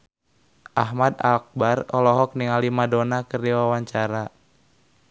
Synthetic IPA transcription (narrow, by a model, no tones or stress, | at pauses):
ʔaɦmada̰lk̚barɔlɔɦɔk̚niŋalimadonakərdiwawaɲt͡ʃaɾa